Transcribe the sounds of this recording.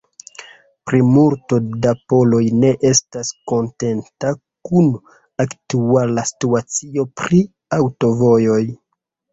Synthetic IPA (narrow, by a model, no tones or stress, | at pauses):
pɾimulto̞dapo̞lo̞jne̞ʔe̞stasko̞nte̞nta | kun | aktualasi̥tuat͡sio̞pɾi | awto̞vo̞jo̞j